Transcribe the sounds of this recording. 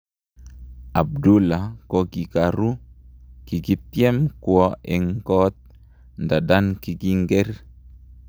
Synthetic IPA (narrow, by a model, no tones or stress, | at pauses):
ʔab̚dulakoɡikaɾu | kiɡit̪iɛmkuɔɛŋkɔt̪̚ | ndadankiɡiŋɡɛr